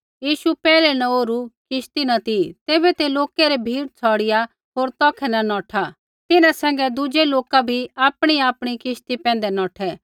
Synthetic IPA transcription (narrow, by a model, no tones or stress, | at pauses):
jiːʃupɛːlɛnɐ̃oːɾukɪʃt̪inɐt̪it̪eːbɛt̪eloːkeɾɛbʱiːɽt͡sʰɔːɽɪja | ɦoːɾt̪ɔ̃ːkʰɛnɐnɔːʈʰa | t̪ɪnãsɛ̃ːŋɡɛd̪ʊd͡ʒeloːkabʱiaːpɽ̃iaːpɽ̃ikɪʃt̪ipɛ̃ːnd̪ɛnɔːʈʰɛ